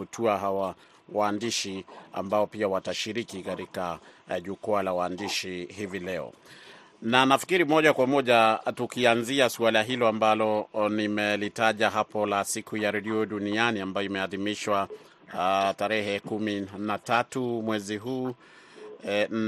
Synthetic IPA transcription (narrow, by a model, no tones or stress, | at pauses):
utʰuaɦawa | waːndiʃia̰mbaɔpiawataʃiɾikikaɾikaʄukualawaːndiʃihivilɛɔ̰ | nanafi̥kiɾimɔʄakwamɔʄatukianziasualaɦilɔambalɔnimɛlitaʄaɦapɔlasikʰujaɾɛɗiɔɗunianiambajɔimɛaðimiʃwa | taɾɛhɛkuminatatumwɛziɦuː